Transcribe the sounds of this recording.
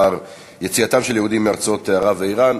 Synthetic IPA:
aʁ | jet͡siat̪amʃe̞ljehud̪imːeaʁt͡sao̞t̪eaʁaveiʁan

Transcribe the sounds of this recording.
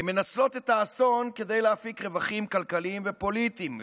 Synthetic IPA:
eme̞nat͡slo̞t̪et̪aːso̞nke̞de̞jleafikʁe̞vaχimkalkaliːmve̞po̞litim

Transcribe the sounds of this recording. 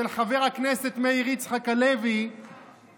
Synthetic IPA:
elχave̞ʁaknese̞t̪meiʁit͡sχakalevi

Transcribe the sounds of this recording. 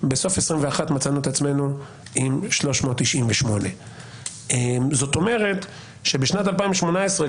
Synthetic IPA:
beso̞fesʁimveaχatmat͡sanuetat͡sme̞nu | imʃlo̞ʃmootːiʃimveʃmo̞ne | ezo̞to̞me̞ʁe̞t | ʃe̞beʃnatalpaĩmveʃmo̞naesʁe

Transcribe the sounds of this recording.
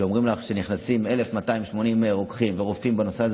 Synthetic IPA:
o̞mʁimlaχʃe̞niχnasime̞le̞fmataimʃmo̞nimʁo̞kχimveʁofimbano̞seaz

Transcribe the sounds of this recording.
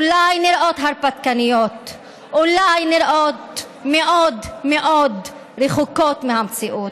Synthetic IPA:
ulajniɾʔo̞t̪ɦaɾpat̪kanijot̪ | ʔulajniɾʔot̪ | meʔod̪meʔod̪ | ɾeχukot̪mehamt͡siʔut̪

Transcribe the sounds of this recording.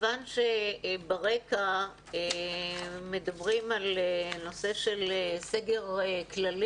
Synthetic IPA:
vanʃebaʁeka | e | medɐbʁimaleno̞se̞ʃe̞leseɡe̞ʁklal

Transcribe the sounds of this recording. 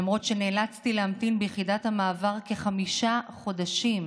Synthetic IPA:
amʁo̞tʃe̞neːlat͡stileamtinbejχidathamaːvaʁkeχamiʃaχo̞daʃim

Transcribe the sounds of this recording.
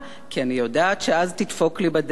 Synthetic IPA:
kianijo̞daːtʃeʔaztitfo̞klibad

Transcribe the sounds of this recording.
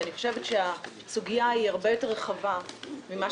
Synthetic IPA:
niχoʃevetʃea | suɡijaiaʁbe̞jo̞te̞ʁːeχavamima

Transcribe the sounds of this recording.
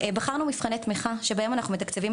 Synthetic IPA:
baχaʁnumifχanet̪miχaʃebajomanaχnumet̪akt͡sevim

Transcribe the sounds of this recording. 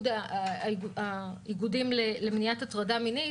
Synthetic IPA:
da | aiɡudimlelemnijatatʁadamini

